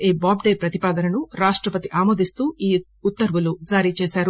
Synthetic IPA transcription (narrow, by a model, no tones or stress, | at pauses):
iːbaːbɖeːpɾɐt̪ipaːd̪ɐnɐnuɾaːʂʈɾɐpɐt̪iʔaːmoːd̪ist̪uːiː | t̪ːɐɾʋulud͡ʒaːɾit͡ʃeːsaːɾu